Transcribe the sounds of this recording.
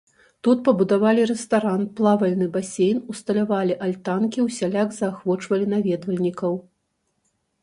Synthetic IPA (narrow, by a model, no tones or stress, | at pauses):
t̪ut̪̚pɐbud̪avalʲiɾɛst̪aɾanplˠavɐlʲnɨbasʲejnust̪ɐlʲavalʲiʔalʲt̪ankʲiwsʲalʲaɡzɐːxvɔt͡ʂvɐlʲinavʲɛd̪vɐlʲnʲikɐw